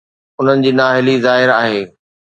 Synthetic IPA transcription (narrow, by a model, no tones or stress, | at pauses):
ʊn̤ənɪ̆d͡ʑiːnaːɦɪlizaːɦɪɾaːɦeː